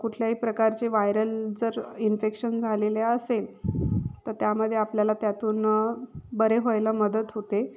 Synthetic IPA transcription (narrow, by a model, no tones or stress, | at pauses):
kuʈʰljaɦiːpɾəkaɾt͡ɕeʋajɾəld͡zəɾinfekɕənd͡zʱaleleəsel | t̪əɾt̪jaməd̪ʱːjeapljalat̪jat̪uːn | bəɾeɦojləməd̪ət̪ɦot̪e